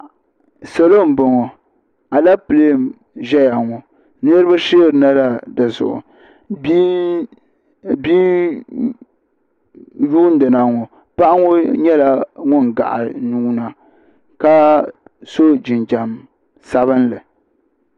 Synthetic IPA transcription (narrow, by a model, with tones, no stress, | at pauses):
sɛ˨lo˦˨m̩˨bo˨ŋɔ˨ | a˨la˦pɨ˨le˦˨m | ʒɛ˦ja˨ŋɔ˨ | nɨ˦ɾɨ˦ba˦ʃeː˦˨ɾɨ˨na˦la˦dɨ˨zʊ̰˨ʔʊ̰˨ | b | bi˦ | juː˦n˦dɨ˨na˨ŋɔ˨ | pa˦ʔa˦ŋɔ˦ɲɛ˦la˨ŋʊ˦n˨ɡa̰˨ʔa̰˨nu˦na˨ | ka˦ | so˦d͡ʒɪ˨nd͡ʒa˨m | sa˦βɨ˦n˦lɨ˨